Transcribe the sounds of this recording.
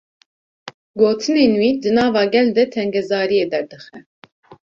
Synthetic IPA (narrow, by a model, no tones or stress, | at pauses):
ɡɔt̪ʰinɛnuid̪ənɑvɑɡɛld̪ɛt̪ʰɛŋɡɛzɑːɾiɛd̪ɛɾd̪əxɛ